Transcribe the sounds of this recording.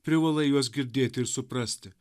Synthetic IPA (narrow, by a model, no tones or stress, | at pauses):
pʲɾʲɪʋɐlˠɐɪjuɔs̬ɡʲɪɾʲd̪ʲeːt̪ʲɪɾsʊpɾɐsʲt̪ʲɪ